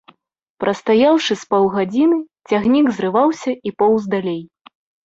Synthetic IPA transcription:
pɾʔɐst̪ajawʂɨspɔwɣad͡zʲinɨ | t͡sʲaɣnʲiɡzɾɨvawsʲɐipɔwzd̪alʲej

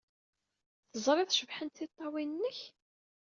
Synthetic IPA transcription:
θəzˤɾˤɪðʃəvħənt̪θit̪ˤːɑwinːəç

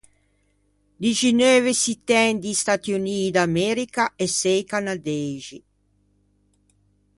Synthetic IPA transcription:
d̪iʒinøːvesit̪ɛnd̪ist̪at̪juniːd̪amɛɾikaʔesɛjkanad̪ɛːʒi

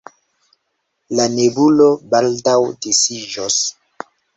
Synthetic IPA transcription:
lanebulobaldawdisid͡ʒos

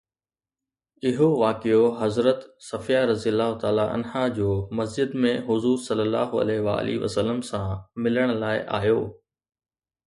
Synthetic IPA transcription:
ɪɦoʋaːkioɦɐzɾət̪sɐfijaɾɐzijəlːaːɦʊt̪aːlaʔɐ̰nɦad͡ʑoːmɐs̬d͡ʑɪd̪mẽɦʊzuːɾsɐlːəlːa̰ːɦʊɐ̰lɛːɦʋa̰ːliʋə̰sələmsãmɪləɽ̃ʊ̆laːɪʔa̰ːɦjoː

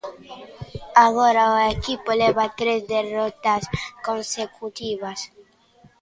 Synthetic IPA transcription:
aɣoɾaoekipoleβat̪ɾezd̪erɔt̪askõnsekut̪iβas

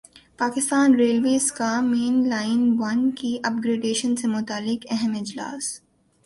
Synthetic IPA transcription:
paːkɪst̪aːnɾeːlʋeːzkameːnlaːɪnʋɐnkiʔɐpɡɾeːɖeːʃənsemʊt̪aːlːɪkɛɦɛmɪd͡ʒla̰ːs

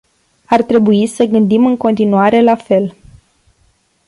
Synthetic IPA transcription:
art̪ɾe̞buisəɡɨnd̪imɨŋko̞nt̪inuaɾe̞lafe̞l

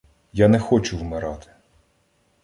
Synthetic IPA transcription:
janɛxɔt͡ʃʊwmɪɾɑt̪ɪ̥

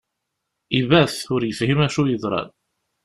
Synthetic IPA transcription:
ivæθʊɾjəfhimæʃujəðˤɾˤɑ̰n

